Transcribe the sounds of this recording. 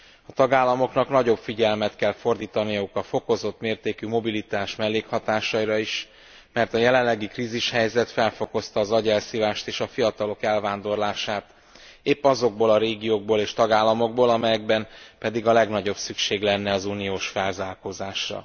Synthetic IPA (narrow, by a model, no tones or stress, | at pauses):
ɒt̪ɒɡaːlːɒmo̞knɒknɒɟo̞bfiɟɛlmɛt̪kɛlfo̞rd̪iːt̪ɒnijɒukɒfo̞ko̞zo̞t̪meːrt̪eːkymo̞bilit̪aːʃmɛlːeːkhɒt̪aːʃɒiɾɒiʃ | mɛrt̪ɒjɛlɛllɛɡikriːziʃhɛjzɛt̪fɛlfo̞ko̞st̪ɒːzɒɟɛlsivaːʃt̪eːʃɒfijɒt̪ɒlo̞kɛlvaːnd̪o̞rlaːʃaːt̪ | eːpːɒzo̞ɡ̚boːlɒɾeːɡijoːɡ̚boːleːʃt̪ɒɡaːlːɒmo̞ɡ̚boːlɒmɛjɛɡbɛmpɛd̪iɡɒlɛɡnɒɟo̞bsykʃeːɡlɛnːɛɒzuːnijoːʃfɛlzaːrkozaːʃrɒ̰